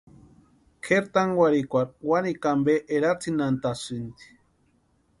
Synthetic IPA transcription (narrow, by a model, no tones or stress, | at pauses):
kʰeɾt̪aŋwaɾikʷaɾwanikambeʔeɾat͡sʰinant̪asunt̪i̥